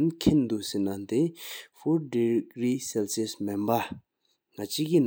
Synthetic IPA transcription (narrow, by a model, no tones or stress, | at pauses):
nkʰend̪uʔsenant̪efɔdiɡɹiselsesmempa | ŋat͡ɕikin